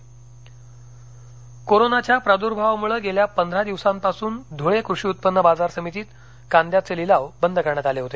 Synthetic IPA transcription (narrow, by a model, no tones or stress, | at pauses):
koɾonat͡ɕjapɾad̪uɾbʱaʋmuɭəːɡeljapənd̪ʱɾad̪iʋsãmpasuːnd̪ʱoɭekɾuʂiːut̪̚pənːəbad͡zaɾsəmit̪iːt̪ | kand̪jat͡selilaʋbənd̪əkəɾɳaːt̪aleɦot̪e